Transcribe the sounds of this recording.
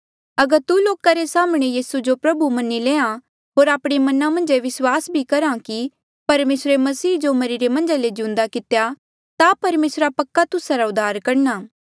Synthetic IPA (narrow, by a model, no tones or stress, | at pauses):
ɐɡəɾt̪uloːkaɾesaːmɽ̃ejiːsud͡ʒopɾɐbumɐnileːã | ɦoːɾaːpɽ̃emɐnamɐ̃nd͡ʒeʋɪswaːsbʱikɐɾãki | pɐɾmeːsɾemɐsiːd͡ʒomɐɾiɾemɐ̃nd͡ʒaled͡ʒɪʊ̃nd̪akɪt̪eja | t̪apɐɾmeːsɾapɐkːat̪ʊsaɾaʊd̪ʱːaːɾkɐɾnaː